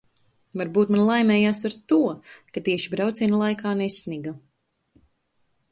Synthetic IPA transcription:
vaɾbuːt̪manlˠajmɛːjaːsaɾt̪uɔkat̪iɛʃibɾawt̪sʲiɛnlˠajkaːnesniɡa

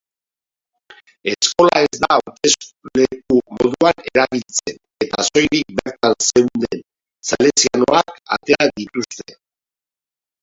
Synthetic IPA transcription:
e̞sko̞lae̞zd̪at̪e̞sle̞kumo̞ðuane̞ɾaβilt͡se̞n | e̞t̪aso̞jɾik̚be̞ɾt̪anse̞wnd̪e̞n | sale̞nsiano̞aka̰t̪e̞aðit̪ust̪e̞

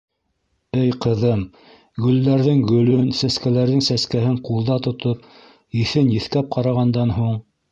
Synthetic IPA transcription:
ɘjqɤ̆ðɤm | ɡɵ̆lːæɾðɘŋɡɵ̆lɵnsæskælæɾðɘŋsæskæhɘɴqulˠd̪ɑt̪ŏt̪op̚ | iθɘnjɘ̆θkæp̚qʰɑɾɑʁɑnd̪ɑnɦuɴ

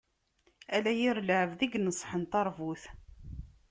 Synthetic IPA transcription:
ælæjiɾləʕəvðiɡnəsˤːħənt̪ɑɾˤvuθ

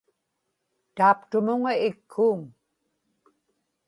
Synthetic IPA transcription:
t̪aːpt̪ʊmʊŋaɪkʰːuːŋ

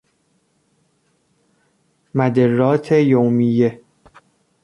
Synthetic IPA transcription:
mæd̪erːɒːt̪ʰejowmijːe

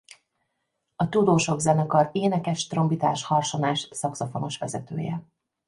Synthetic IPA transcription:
ɒt̪ud̪oːʃo̞ɡzɛnɛkɒɾeːnɛkɛʃt̪ro̞mbit̪aːʃhɒrʃo̞naːʃsɒksofo̞no̞ʃʋɛ̰zɛt̪ø̰ːjɛ̰

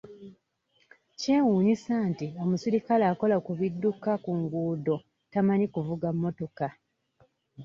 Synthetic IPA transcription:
cewuːɲisaːntio̞musiɾikalaːko̞lakuβidːukakuŋɡuːdo̞ | tamaɲikuvuɡamːo̞to̞ka

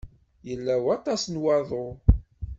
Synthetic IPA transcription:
jəlːæwɑt̪ˤɑsnwɑðˤo

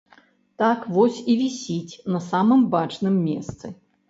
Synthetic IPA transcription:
t̪akvɔsʲivʲisʲit͡sʲnɐsamɨmbat͡ʂnɨmːʲḛst̪sɨ

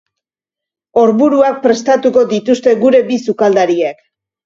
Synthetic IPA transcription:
o̞ɾβuɾuak̚pɾe̞st̪at̪uko̞d̪it̪ust̪e̞ɡuɾe̞bisukald̪aɾiek

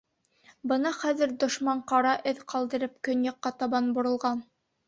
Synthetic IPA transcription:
bɤnɑχæðɘ̆ɾd̪ŏʃmɑɴqɑɾɑʔɘðqɑlˠd̪ɤ̆ɾɤp̚kɵnjɑqːɑt̪ɑβɑnbŏɾɤ̆lˠʁɑn

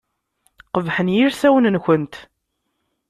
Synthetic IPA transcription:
qəvħənjiɾsæwənnçənt̪

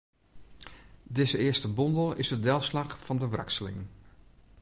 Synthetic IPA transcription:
dɪzəɪəstəbɔndəl̩ˠɪzdədɛlˠslɑχfɑndəʋra̰ksəlɪ̰ŋn

